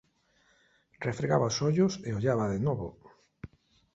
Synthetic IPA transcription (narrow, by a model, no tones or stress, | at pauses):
refɾeɣaβaosɔʎoseoʎaβaðenɔβo̰